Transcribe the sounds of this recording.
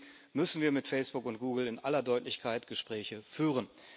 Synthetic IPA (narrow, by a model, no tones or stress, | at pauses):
mʏsn̩viːɐmɪtfɛɪsb̥ʊkʊnt̚ɡ̥uːɡl̩ɪnʔalɐdɔʏtlɪçkʰaɪtɡ̥əʃpʁ̥ɛːçəfyːʁ̞ən